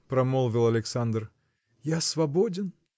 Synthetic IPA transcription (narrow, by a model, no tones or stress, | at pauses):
pɾɐmolˠvʲɪlˠɐlʲɪksand̪r | jasvɐbodʲɪn